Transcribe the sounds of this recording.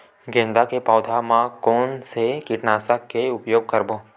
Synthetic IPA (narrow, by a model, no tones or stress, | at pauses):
ɡẽːnd̪akepaːd̪ʱamãkoːnsekɪʈnaːsakeʊpjoːɡ̚kəɾboː